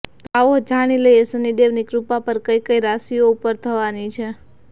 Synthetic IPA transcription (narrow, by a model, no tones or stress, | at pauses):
t̪oaʋod͡ʒaɽ̃iləjesəniɖeʋnikɾupapəɾkəjkəjɾasijoupəɾt̪ʰəʋanit͡ʃʰe